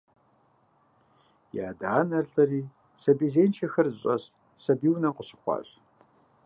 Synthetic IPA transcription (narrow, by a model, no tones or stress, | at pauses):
ja̰ːdaːnɐrɬɐriː | sɐbiːzeːnt͡ʃʰɐxɐrzɕʼɐs | sɐbiːwnɐmqəɕɪ̥χʷɑ̰ːɕ